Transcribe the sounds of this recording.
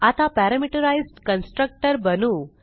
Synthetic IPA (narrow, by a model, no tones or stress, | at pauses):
at̪apæɾamiʈəɾajzɖkənsʈɾək̚ʈəɾbənuː